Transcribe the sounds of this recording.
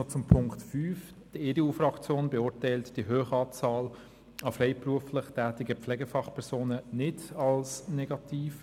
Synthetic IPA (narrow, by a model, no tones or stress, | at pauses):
ot͡sʊmpʰʊŋktfyːf | d̥əedeuːfrɑkt͡sjoːnbeʊɾtɛɪltd̥iɦøːχəɑːt͡sɑːl | ɑfrɛɪpruəflɪχtɛːtɪɡəpflɛɡəfɑχpʰɛɾsoːnənɪdɑlsnɛɡɑtʰiːf